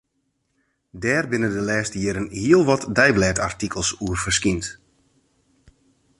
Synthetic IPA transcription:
dɛːrbɪnəndəlɛːstəjɪːɾənhiəlˠʋɔtdɛjblɛːta̰rtikʰəlˠsuərfərskint

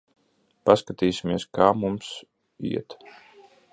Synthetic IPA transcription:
paskat̪iːsimiɛskaːmums | ḭɛt̪

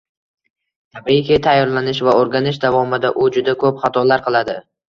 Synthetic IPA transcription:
t̪ʰabikʲɪt̪ʰajːɒɾlanɪʃvaoɾɡʲanɪʃ̬d̪avɒmɪd̪aʔʊd͡ʒʊd̪akʰɵpχat̪ʰɒlaɾqʰɨlˠad̪ɪ

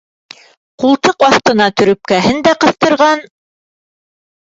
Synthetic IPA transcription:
qulˠt̪ɤqwɑθt̪ɤ̆nɑt̪ɵ̆ɾɵ̆p̚kæɦɘnd̪æqɤ̆θt̪ɤ̆ɾʁɑn

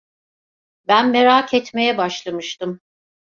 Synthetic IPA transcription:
bænmeɾaːkʰɛt̪me̞jɛbaʃlˠamɯʃt̪ɯm

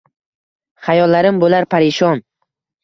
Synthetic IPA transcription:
χajɒlːaɾɪmbolaɾpʰaɾɪʃɒn

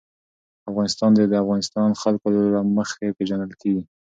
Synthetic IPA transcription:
afɣɑnɪst̪ɑnd̪ed̪əafɣɑnɪst̪ɑnxalkoɾaməxepeʒanəlkeɡi

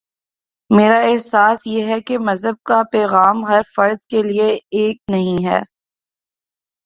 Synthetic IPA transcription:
meːɾaɛɦsaːsjeɦɛkemɐzɦəb̚kapɛːɣaːmɦɐɾfɐɾd̪̚kelieeːk̚nɐɦĩɦɛ̰ː

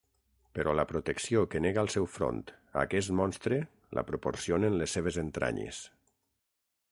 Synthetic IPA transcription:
peɾɔlapɾot̪eksiokeneɣalˠsɛwfɾo̰nt̪a̰kɛst̪mɔnst̪ɾe | la̰pɾopo̰ɾsionenlesːeβ̞ezent̪ɾʔa̰ɲḛs

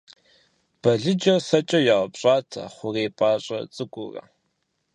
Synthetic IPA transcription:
b̥ɐɮɨd͡ʒɐsɐt͡ʃʼɐjaʁɐpɕʼaːtʰɐ̰χʷʊreːpʼaːɕʼɐ̰t͡sʼɨkʷʼʊrɐ̰

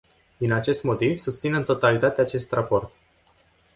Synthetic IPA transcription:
d̪inat͡ʃe̞st̪mo̞t̪ivsust̪sinet̪o̞t̪alit̪at̪eaːt͡ʃe̞st̪rapo̞rt̪

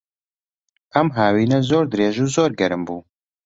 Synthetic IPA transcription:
ɛmɦaːwiːnɛzoːɾd̪ɨɾeːʒuːzoːɾɡɛɾɨmbuː

